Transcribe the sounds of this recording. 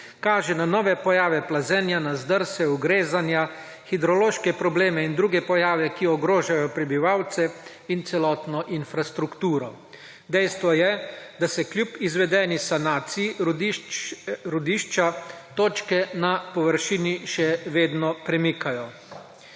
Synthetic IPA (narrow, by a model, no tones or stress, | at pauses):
kaːʒɛnanɔːʋɛpɔjaːʋɛplazɛnjanazd̪əɾsɛuɡɾeːzanja | xid̪ɾɔloːʃkɛpɾɔbleːmɛind̪ɾuːɡɛpɔjaːʋɛkiɔɡɾoːʒajɔpɾɛbiʋawt̪sɛ | int̪sɛlɔːt̪nɔʔinfɾast̪ɾukt̪uːɾɔ | d̪ɛjst̪ʋɔjɛd̪asɛkljupizʋɛd̪ɛnisanaːt̪siji | ɾud̪iːʃt͡ʃat̪oːt͡ʃkɛnapɔʋəɾʃiːniʃɛʋeːd̪nɔpɾɛmikajɔ